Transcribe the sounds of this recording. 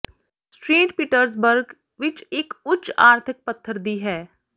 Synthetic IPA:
sʈɾiːʈpiʈəɾzbəɾɡ | ʋɪt͡ʃeːkʊtːt͡ʃa̰ːɾt̪ʰɪk̚pət̪ʰːəɾd̪iːɦɛː

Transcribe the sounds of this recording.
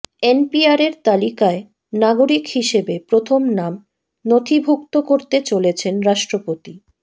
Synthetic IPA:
enpiaɾeɾt̪alikae | naɡoɾikhiʃebepɾot̪ʰomnam | not̪ʰibʱok̚t̪okoɾt̪et͡ɕolet͡ɕʰenɾaʃʈɾopot̪i

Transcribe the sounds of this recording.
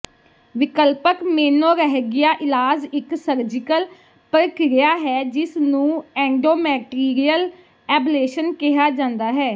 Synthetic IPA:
ʋɪkəlpəkmeːnõːɾəɦɡɪjaːʔɪlaːd͡ʒɪksəɾd͡ʒɪkəl | pəɾəkɾɪjaːɦɛːd͡ʒɪsnũːɛ̃ːɳɖoːmɛːʈiːɾijəl | ɛːbleːʃənkɪɦaːd͡ʒãːnd̪aːɦɛː

